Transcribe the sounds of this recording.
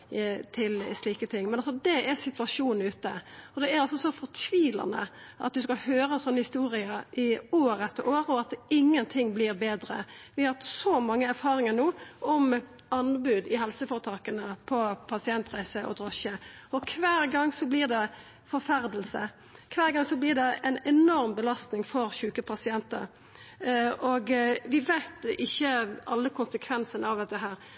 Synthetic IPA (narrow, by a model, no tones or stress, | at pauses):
t̪ʰɪlsliːkət̪ʰɪŋːmɛnɑls̬ɔd̪ɛʔæɾsɪt̪ʋɑʂuːnn̩ʉːt̪əɔd̪ɛæɾɑlsɔsɔfɔɾt̪ʰʋiːlɑ̰nə̰ʔɑ̰t̪̚d̪ʉskɑhøːɾəsɔnːəhɪst̪uːɾɪəʔɪoːɾət̪ʰːəɾʔoːɾəɔɑt̪ɪŋːənt̪ʰɪŋːblɪɾbeːd̪ɾə̰ʋɪhɑt̪sɔmɑŋːəæɾfɑːɾɪŋənoːʔɔm | ɑnbʉːd̪ɪɦɛlsəfɔːɾət̪ʰɑːkənəpʰɔpʰɑsɪɛnt̪ʁæɪsəʔɔ̰d̪ɾɔʃəɔkʰʋæːɾɡɑŋːsɔblɪːʁd̪ɛ | fɔɾfæɾd̪l̩sə | kʰʋæːɾɡɑŋsɔblɪːʁd̪ɛæɪnɛnɔɾmbəlɑst̪nɪŋfɔɾçʉːkəpʰɑsɪɛnt̪əɾ | oɡʋɪʋæɪt̪ɪçːəɑlːəkʰʊnsəkʰʋɛnsənəɑʋd̪ɛt̪ːəɦæːɾ